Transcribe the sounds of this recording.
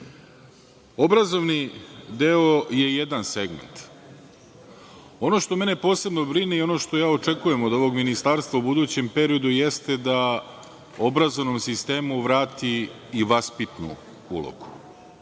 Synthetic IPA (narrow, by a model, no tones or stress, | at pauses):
o̞bɾazo̞ʋnid̪eo̞je̞je̞d̪anse̞ɡmḛnt̪ | o̞no̞ʃt̪o̞me̞ne̞po̞ːse̞bno̞bɾinejo̞no̞ːʃt̪o̞jaːot͡ʃe̞kuje̞mo̞d̪o̞ʋo̞ɡminist̪aɾst̪ʋaubud̪uːt͡ɕe̞mpe̞ɾio̞d̪uje̞st̪e̞d̪a | o̞bɾazo̞ʋno̞msist̪e̞ːmuʋɾaːt̪iː | ʋaspit̪nṵ | ṵlˠo̰ɡu̥